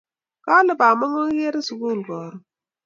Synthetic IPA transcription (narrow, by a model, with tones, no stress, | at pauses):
ka˦lɨ˦baː˨mɔ˦ŋɔ˦je˦ɾɪ˦su˨ɡu˦˨ɡɔː˨ɾʊ˦